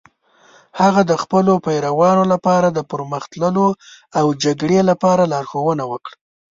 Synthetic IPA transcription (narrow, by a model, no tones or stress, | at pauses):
haɣad̪əxpəlopajɾawɑnolapɑɾad̪əpəɾməxt̪ləlo | awd͡ʒaɡɽelapɑɾalɑɾxowənawəkɽ